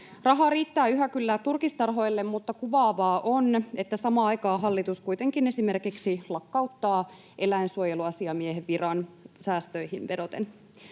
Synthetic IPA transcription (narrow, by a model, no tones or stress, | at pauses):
rɑɦɑːɾiːt̪ːæːyɦækylːæːt̪urkist̪ɑrɦo̞jlːe̞mmut̪ːɑkuʋɑːʋɑːʔonet̪ːæsɑmɑːɑjkɑːɦɑlːit̪uskujt̪e̞ŋkine̞sime̞rkiksilɑkːɑuwt̪ːɑː | ʔe̞læinsuojeluɑsiɑmieɦeʋʋirɑnsæːst̪øjhinʋe̞do̞t̪en